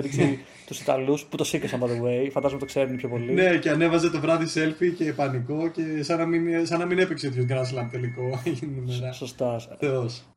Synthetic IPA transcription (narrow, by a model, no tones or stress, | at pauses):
ðiksi | t̪usit̪ɐ̰lusput̪o̞sikɐsɐnɐpoðewejfɐnd̪ɐzmɐt̪okseɾunepçopo̞line̞ceɐne̞vɐzet̪o̞vɾɐðise̞lfice̞pɐniko̞ce̞sɐnɐminsɐnɐmine̞pekseot̪iokɐnɐnɐs̬ilɐpt̪eliko̞innimeɾɐsost̪ɐθeos